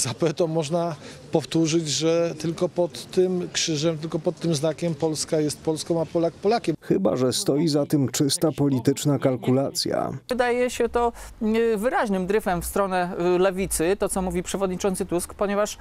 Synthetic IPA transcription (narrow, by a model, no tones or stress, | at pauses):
z̥apɛt̪ɔmɔʐna | pɔft̪uʐɘd͡ʑʐɛt̪ɘlkɔpɔt̪ːɘmkʂɘʐɛmt̪ɘlkɔpɔt̪ːɘmznakʲɛmpɔlskajɛst̪̚pɔlskɔ̃w̃apɔlak̚pɔlakʲɛmxɘba̰ʐɛst̪ɔjizat̪ɘmt͡ʂɘst̪apɔlʲit̪ɘt͡ʂnakalkulat̪sʲja̰ɘd̪ajɛɕɛt̪ɔ | vɘɾaʑnɘmd̪ɾɘfɛmfst̪ɾɔnɛlɛvʲit̪sɘt̪ɔt̪ɔmuvʲipʂɛvɔd̪ɲit͡ʂɔnt̪sɘt̪uskpɔɲɛvaʂ